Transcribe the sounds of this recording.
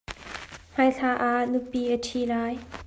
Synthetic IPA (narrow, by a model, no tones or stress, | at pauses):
m̥aːjɬaːʔanupiʔətʰilaːj